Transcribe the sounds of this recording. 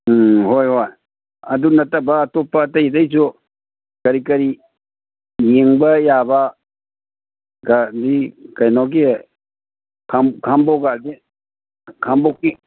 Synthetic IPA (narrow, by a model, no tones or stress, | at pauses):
ɦojɦoj | ɐdunɐtːɐbɐːtopːɐtɐjdɐjsʰu | kɐɾikɐɾi | jeŋbɐjabɐ | ɡadikajnɔk̬i | kʰamkʰambɔɡadi | kʰambɔki